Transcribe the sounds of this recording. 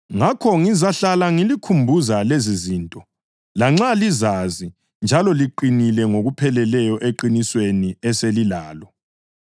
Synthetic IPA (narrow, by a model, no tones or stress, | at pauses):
ŋakʰɔŋizaɬalaŋilikʰumbʱuzalezizintʼɔ | laŋ͡ǁalizazi | nd͡ʒʱalɔliǃinilɛŋoɣupʰɛlɛlɛjɔʔeǃinisweniɛselilaːlɔ